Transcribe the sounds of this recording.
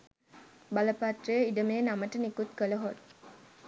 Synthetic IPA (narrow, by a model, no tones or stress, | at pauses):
baləpat̪rəjəiɖəmeːnaməʈənikut̪kələɦot